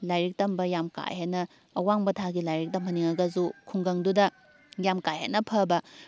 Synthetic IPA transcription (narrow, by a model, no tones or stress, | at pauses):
lajɾik̚tɐmbɐjamka̰jhanɐː | waŋbɐtʰaɡilajɾik̚tɐmhɐniŋɐɡɐzukʰuŋɡɐŋdudɐ | jamkajɦa̰nɐpʰɐbɐ